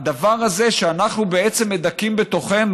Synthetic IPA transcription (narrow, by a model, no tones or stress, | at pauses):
d̪avaʁhaze̞ʃeanaχnubeet͡se̞mːed̪akimbe̞t̪o̞χe̞m